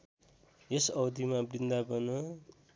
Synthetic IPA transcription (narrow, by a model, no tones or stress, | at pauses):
esʌwd̪imabrind̪abʌnʌ